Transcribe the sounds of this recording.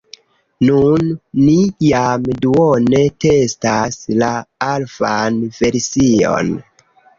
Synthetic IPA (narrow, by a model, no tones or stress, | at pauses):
nunːijamduone̞te̞staslaalfanve̞ɾsio̰n